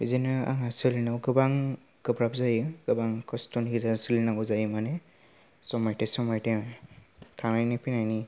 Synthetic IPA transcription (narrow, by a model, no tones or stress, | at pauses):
izinɯa̰ŋasɯlinawɡɯbaŋ | ɡɯbɾapzajɯɡ̥ɯbaŋkɔstɔnhidasɯlinaɔzajmane | sɔmajtesɔmajte | tʰamajnipinajni